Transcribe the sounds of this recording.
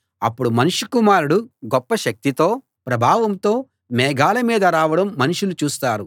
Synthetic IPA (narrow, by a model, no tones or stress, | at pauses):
ɐpːuɽumɐnuʂukumaːɾuɽuɡɔpːɐʃɐk̚t̪it̪o̞ː | pɾɐbʱaːʋɐmt̪o̞ː | mɛːɡaːlɐmiːd̪ɐɾaːʋɐɽɐmːɐnuʂulut͡ʃuːst̪aːɾu